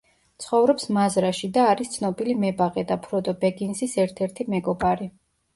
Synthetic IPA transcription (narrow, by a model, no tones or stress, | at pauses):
t̪sʰχɔvɾɔpsmazɾaʃid̪aːɾist̪sʰnɔbilimɛbaʁɛd̪apʰɾɔd̪ʼɔbɛɡinsisɛɾt̪ʰɛɾt̪ʰimɛɡɔbaɾi